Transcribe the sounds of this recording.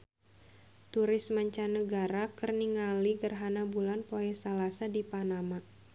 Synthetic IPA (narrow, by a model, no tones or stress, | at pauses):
t̪uɾɪsmaɲt͡ʃanəɡaɾakərniŋaliɡərɦanabulanpoɛsalasadipanama